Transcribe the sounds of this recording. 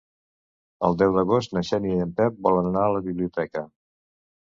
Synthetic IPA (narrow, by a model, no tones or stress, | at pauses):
ə̰lˠd̪ɛwd̪əɣost̪nəʃɛniəmpɛp̚bɔlənənaələβiβliut̪ɛkə